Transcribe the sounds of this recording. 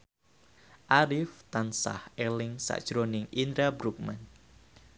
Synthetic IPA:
ʔaɾɪft̪ansa̰helɪŋsa̰ʔd̥ʒ̥ɾonɪŋind̪ɾabɾuk̚man

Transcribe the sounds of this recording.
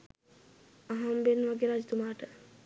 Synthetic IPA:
aɦambenʋaɡeɾad͡ʒət̪umaːʈə

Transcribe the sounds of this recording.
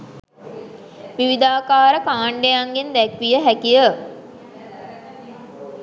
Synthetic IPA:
ʋiʋid̪aːkaːɾəkaːɳɖejaŋɡend̪ɛkʋijəɦækijə

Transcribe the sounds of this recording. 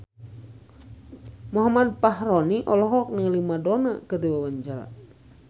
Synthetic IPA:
muɦamad̪̚paɦɾɔniʔɔlɔɦɔk̚nəŋlimadɔna̰kɨrdiwawaɲd͡ʒaɾa̰

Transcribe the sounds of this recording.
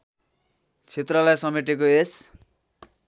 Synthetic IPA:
t͡sʰet̪rʌlajsʌmeʈekoes

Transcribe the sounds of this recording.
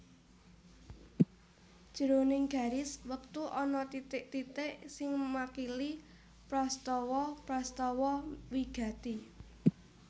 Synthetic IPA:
d̥ʒ̥ə̤ɾonɪŋɡ̥a̤ɾɪswək̚t̪uʔɔnɔt̪it̪ɪʔt̪it̪ɪʔsɪŋmakili | pɾɔst̪ɔwɔpɾɔst̪ɔwɔwiɡ̥a̤t̪i

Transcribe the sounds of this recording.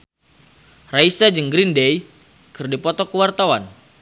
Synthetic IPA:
raisad͡ʒəŋɡɾindɛj | kɨrdipɔt̪ɔkəwart̪awan

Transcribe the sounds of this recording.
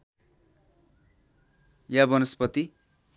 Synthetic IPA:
jabʌnʌspʌt̪i

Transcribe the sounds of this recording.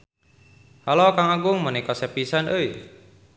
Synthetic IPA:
halokaŋaɡʊŋmənikɔsɛpisanʔəi

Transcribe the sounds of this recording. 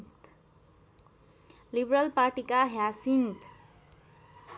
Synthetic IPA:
t̪ | libɾəlpaɾʈikaɦjasint̪

